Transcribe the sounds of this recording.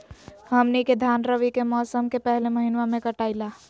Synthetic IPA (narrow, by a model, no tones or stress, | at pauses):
həmniked̪ʱaːnɾəʋikemɔːsəmkepɛɦleməɦɪnwamẽkəʈaːilaː